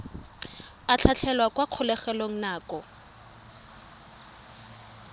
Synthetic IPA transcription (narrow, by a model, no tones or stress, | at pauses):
at͡ɬʰat͡ɬʰɛlwakwaq͡χʰʊlɛχɛloŋ̩naːkɔ